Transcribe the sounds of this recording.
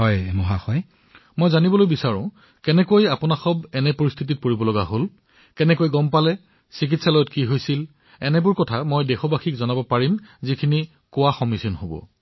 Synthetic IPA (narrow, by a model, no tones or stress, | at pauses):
ɦɔjmɔɦaxɔj | mojzanibɔlojbisaɹʊ̃ | kɛnɛkojapʊnaxɔbɛnɛpoɹist̪ʰit̬it̚poɹibɔlɔɡaɦol | kɛnɛkojɡɔmpalɛ | sik̬itsalɔjɔtkiɦojsil | ɛnɛbʊɹkɔtʰamojdɛxɔbaxʰikzɔnabɔpaɹimzikʰini | kʊwaxɔmisinɦobɔ̰